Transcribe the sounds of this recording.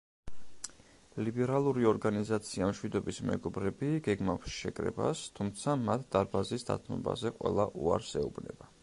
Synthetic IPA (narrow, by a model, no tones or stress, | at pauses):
libɛɾalˠuɾiɔɾɡanizat̪sʰiamʃwid̪ɔbismɛ̰ɡɔbɾɛbiɡɛɡmafsʃɛkʼɾɛ̰ba̰st̪ʰumt̪sʰamat̪ʰd̪̥aɾbazisd̪a̰t̪ʰmɔba̰zɛqʼwɛ̰lˠaʔṵaɾsɛubnɛ̰ba